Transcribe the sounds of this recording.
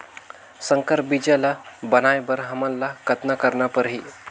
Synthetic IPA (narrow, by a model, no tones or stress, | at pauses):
səŋkəɾbid͡ʒəlabənajbəɾɦəmənːakət̪nakəɾnapəɾɦi